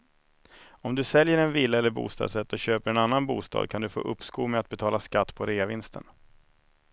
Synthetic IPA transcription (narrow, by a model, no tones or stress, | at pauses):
ɔmd̪ɵsɛljəɾɛnviːlːaɛlːəɾbṵːst̪ɑ̰ːd̪sɛt̪ːɔɕøːpəɾɛnanːanbṵːst̪ɑ̰ːd̪̚kʰand̪ɵfo̰ːʔɵpːskuːmɛat̪̚bɛt̪ʰɑːlaskat̪ːpʰɔɾeːavɪnst̪ʰə̰n